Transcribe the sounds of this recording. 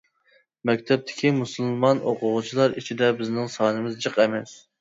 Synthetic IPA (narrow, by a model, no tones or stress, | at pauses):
mɛkʲt̪ʰɛp̚t̪ʰɪ̥kʲʰimusɨlˠlˠmɑnʔoqʰʊʁʊt͡ʃʰilˠɑɾit͡ʃʰid̪ɛbɪznɪŋsɑːnɨmɪzd͡ʒɨqɛmɛs